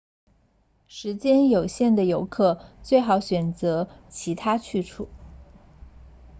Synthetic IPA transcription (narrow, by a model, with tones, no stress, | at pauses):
ʂɻ̩˧˥t͡ɕjɛ˥njo˨˩ʊɕjɛ˥˩nd̪ə˩jo˧˥ʊkʰɤ˥˩t͡swe˥˩ɪxɑ˧˥ʊɕɥɛ˨˩nt͡sɤ˧˥t͡ɕʰi˧˥t̪ʰa˥t͡ɕʰy˥˧ʈ͡ʂʰṵ˥˩˦